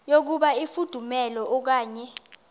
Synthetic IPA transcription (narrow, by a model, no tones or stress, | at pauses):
jok̬uɓaifud̥ʱumɛlɔɔk̬aːɲɛ